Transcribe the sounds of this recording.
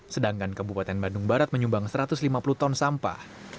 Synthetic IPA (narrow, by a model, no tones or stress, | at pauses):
sədaŋkankəbupat̪ɛnbandʊŋbaɾat̪̚məɲumbaŋsəɾat̪ʊslimapulut̪ɔnsampa̰